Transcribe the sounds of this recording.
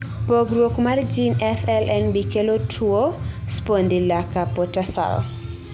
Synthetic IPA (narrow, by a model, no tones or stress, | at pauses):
poɡɾwokmard͡ʒinɛfɛlʔɛnbikelotʰuospondilakapotasa̰l̰